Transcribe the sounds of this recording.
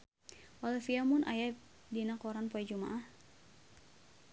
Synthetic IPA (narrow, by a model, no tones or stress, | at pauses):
walɛfiamʊnʔa̰jadinakɔɾanpoɛd͡ʒuma̰ʔah